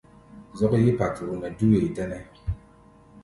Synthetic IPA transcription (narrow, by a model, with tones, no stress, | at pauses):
zɔ˦kji˦pa˨tu˨u˨nɛ˨du˦we˨i˨dɛ˦nɛ˦